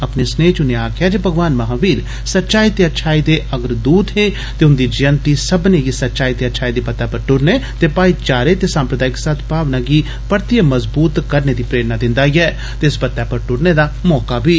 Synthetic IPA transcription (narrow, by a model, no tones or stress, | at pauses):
ɐpnesneːt͡ʃʊneaːkʰɪjad͡ʒeːbʱəɡʋaːnmɐɦaːʋiːɾ | sɐtːʃaːit̪eətːʃʰaːid̪eʔəɡəɾd̪uːd̪ɦe | t̪eʊnd̪id͡ʒɐjənt̪isɐbneɡisɐtːt͡ʃaːit̪eətːʃʰaːid̪epɐt̪ːɛpɐɾʈʊɾnet̪epaːit͡ʃaːɾet̪esãːmpɾəd̪aːɪkːsaːt̪ʰbaːʋnaɡi | pəɾt̪ijəməzbuːt̪kəɾned̪ipɾeːɾnad̪ɪ̃nd̪aːiɛ | t̪eɪspɐt̪ːɛpɐɾʈʊɾned̪aːmɔːkabʱiː